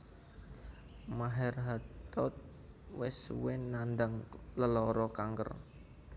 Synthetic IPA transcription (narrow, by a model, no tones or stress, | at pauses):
maɦɛrɦat̪ɔt̪̚ | wɪswɪnːandaŋləlɔɾɔkaŋɡə̰r